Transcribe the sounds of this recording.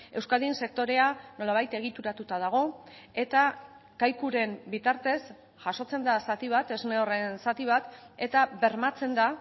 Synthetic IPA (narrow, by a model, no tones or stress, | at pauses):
e̞wskald̪inse̞k̚t̪o̞ɾe̞ano̞laβ̞ajt̪e̞ɣ̞it̪uɾat̪ut̪að̞aɣ̞o̞e̞t̪a | kajkuɾe̞mbit̪aɾt̪e̞s | ʝaso̞t͡se̞nd̪asat̪iβ̞at̪e̞zneo̞re̞nsat̪iβ̞at̪e̞t̪aβe̞ɾmat͡se̞nd̪a